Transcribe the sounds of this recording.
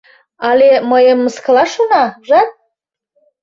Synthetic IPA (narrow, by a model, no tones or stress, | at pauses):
ɑlʲeməjəmːəskəlɑʃonɑʒɑt̪̚